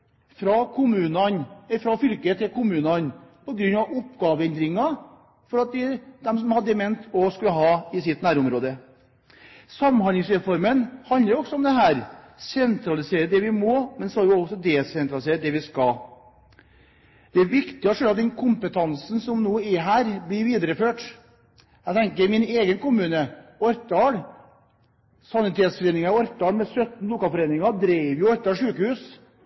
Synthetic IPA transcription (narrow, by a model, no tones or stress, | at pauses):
fɾɑkʰʊmʉːnɑnɛfɾɑfʏlkəət̪ʰɪlkʊmʉːnɑnpɔɡɾʉnːɑʋʊpːɡɑːʋəɛnd̪ɾɪŋɑ | fɔɾɑt̪̚d̪ɛd̪̥ɛmsɔmhɑd̪ːəmɛnt̪ʰɔskʉlːəɦɑːɪsɪt̪ːnæːɾʊmɾoːd̪ə | sɑmːhɑnɪŋsɾɛfɔɾmənhɑnəɾjʊɔksɔɔmd̪ɛɦæːɾ | sɛnt̪ɾɑlɪseːɾəd̪ɛʋɪmɔmɛnsɔɑɾjʊɔsɔd̪eːsɛnt̪ɾɑlɪseːɾəd̪ɛʋɪskɑ | d̪̥ɛæɾʋɪkt̪ɪɔʂøːlɑt̪̚d̪ɛnkʰʊmpət̪ʰɑnsn̩sɔmnoːɪɦæːɾblɪɾʋiːd̪əɾəføːʈ | æɡt̪ʰɛŋkəɾmɪneːɡənkʊmʉːnəɔɾt̪ɑːɽ | sɑnɪt̪ʰeːt̪sfɔɾeːnɪŋɑɾɔɾt̪ɑːlmɛsœt̪n̩lʊkɑːlfɔɾeːnɪŋɑd̪ɾæɪʋjʊɛt̪ːɑʂʉːkəhʉːs